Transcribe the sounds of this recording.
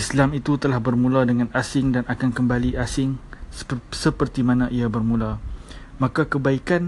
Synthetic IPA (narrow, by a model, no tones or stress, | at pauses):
islamit̪ut̪əlahbərmũladəŋãnasɪŋdanʔakankəmbaliʔasɪŋ | səpərt̪imãnãʔiabərmũlamãkakəbaikan